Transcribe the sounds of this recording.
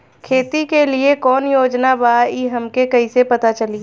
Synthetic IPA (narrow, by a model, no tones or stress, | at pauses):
kʰeːt̪ikeliekɔːnjoːd͡ʒnabaiɦɐmkekɐisepɐt̪at͡ʃəli